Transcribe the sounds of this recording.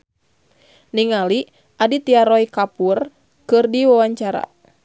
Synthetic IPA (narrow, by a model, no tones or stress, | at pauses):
niŋali | ʔadit̪iaɾɔikapur | kɨrdiwawaɲt͡ʃaɾa̰